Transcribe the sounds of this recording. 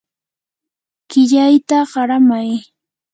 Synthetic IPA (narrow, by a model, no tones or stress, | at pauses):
kɪʎajt̪aɢɑɾamaj